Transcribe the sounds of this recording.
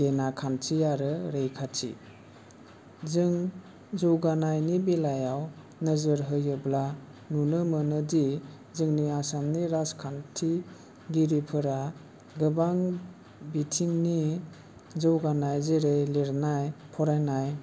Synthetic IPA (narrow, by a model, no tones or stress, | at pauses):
ɡenakʰantʰiaɾɯɾejkʰatʰḭ | zɯŋ | zɔwɡanajnibilajaw | nəzɯɾɦɯjɯbla | nunɯmənɯdi | zɯŋniasamniɾaskʰantʰi | ɡiɾipʰɯɾa | ɡɯbaŋ | bitʰiŋni | zɯwɡanajzeɾejliɾnajpʰɔɾajnaj